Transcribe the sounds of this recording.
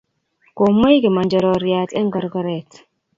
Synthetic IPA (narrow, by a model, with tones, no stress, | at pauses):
ko˨mo˦jɡi˨ma˨nd͡ʒa˨ɾɔ˨ɾi˨ja˨tɛ˦ŋɡa˨ɾɡa˨ɾɛ˨t